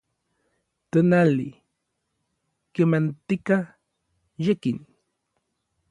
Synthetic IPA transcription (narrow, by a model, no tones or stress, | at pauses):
t̪ənalḭ | kemant̪ika | jekin